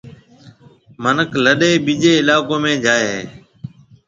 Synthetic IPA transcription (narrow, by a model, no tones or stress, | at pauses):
mənəkʰləɗeːɓiːd͡ʒeːɪlaːkoːmẽːd͡ʒaːeːɦeː